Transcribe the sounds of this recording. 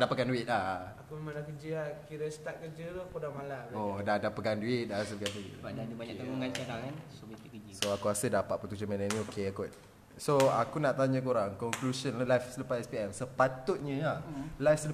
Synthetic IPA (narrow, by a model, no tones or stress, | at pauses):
dapatkanduit̪̚laakumemãlakəd͡ʒəakiɾəst̪aʔ̚kəd͡ʒət̪uakudamalaʔbodadapatkanduɪt̪̚dasəkanduḭt̪badadibaɲakt̪aŋuŋant͡ʃaɾaŋansobit̪ikid͡ʒisoakuasədapat̪̚pət̪ud͡ʒəmɛ̃nanĩokeakɔt̪̚ | soakunaʔt̪aɲãkoɾaŋkɔŋklusɔnlalajfsələpatɛspiɛmsəpat̪ut̪̚ɲə̃alajfsəl